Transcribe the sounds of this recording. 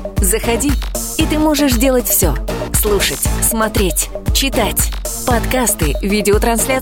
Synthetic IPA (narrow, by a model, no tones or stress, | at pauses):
zəxɐdʲi | it̪ɨmo̞ʐɨʂdʲe̞lˠətʲfsʲoslˠuʂətʲsmɐt̪ɾʲetʲt͡ɕɪt̪atʲpɐt̪kast̪ɨvʲidʲɪot̪ɾɐnsʲlʲa